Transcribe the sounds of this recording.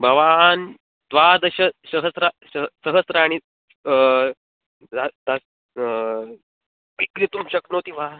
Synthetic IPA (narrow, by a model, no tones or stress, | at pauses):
bʱəʋan | t̪ʋad̪əɕəsəɦəsɾasəɦsəɦəsɾəaɽ̃i | d͡zad̪as | ʋikɾit̪umɕəknot̪iʋa